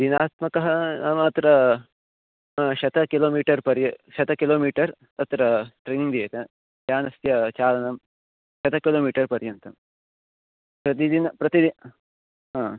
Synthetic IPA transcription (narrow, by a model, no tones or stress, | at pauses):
d̪inaːt̪mɐkɐɦɐnɐmɐt̪ɾɐ | ʃɐt̪ɐkiloːmiːʈɐɾpɐɾjɐʃɐt̪ɐkiloːmiːʈɐɾ | ɐt̪ɾɐʈɾeːniŋɡd̪ijɐt̪ɐ | t̪jaːnɐst̪jɐt͡ʃaːlɐnɐm | ʃɐt̪ɐkiloːmiːʈɐɾpɐɾjɐnt̪ɐm | pɾɐt̪id̪inɐpɾɐt̪id̪i | ɦãː